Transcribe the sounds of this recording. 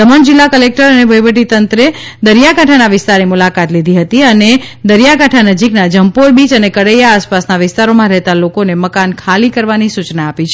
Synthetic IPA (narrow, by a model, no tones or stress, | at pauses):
d̪əməɳd͡ʒɪlːakəlek̚ʈəɾənebʱəjʋəʈ̬it̪ənt̪ɾe | d̪əɾjakaʈʰanaʋɪst̪aɾnimulakat̪lid̪ʱiɦət̪iəned̪əɾjakaʈʰanəd͡ʒiknad͡ʒəmpoɾbit͡ʃənekəɽejaːspasnaʋɪst̪aɾomãɾɛɦt̪alokoneməkankʰalikəɾʋanisut͡ʃnaːpit͡ʃʰ